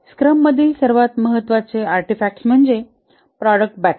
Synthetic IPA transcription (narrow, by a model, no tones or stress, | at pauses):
skɾəmːəd̪ʱiːlsəɾʋat̪məɦət̪ːʋat͡seaɾʈifæk̚ʈsm̤əɳd͡ze | pɾɔɽək̚ʈ̚bæʈ